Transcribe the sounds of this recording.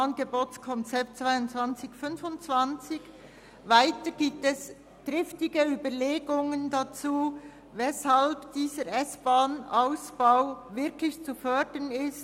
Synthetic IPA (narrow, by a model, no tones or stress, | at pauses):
ɑnɡeboːtt͡skʰɔnt͡sɛp̚t̚t͡sv̥aɪʊnt͡svant͡sɪçfʏnfʊnt͡sv̥ɑnt͡sɪç | vaɪtəɡ̥iːp̚tɛs | d̥ɾɪftɪɡəyːbəleːɡʊŋəndat͡suː | vɛshalbd̥iːzəɾɛsb̥aːnʔaʊsb̥aʊvɪɾkʰlɪçt͡sufœdənɪst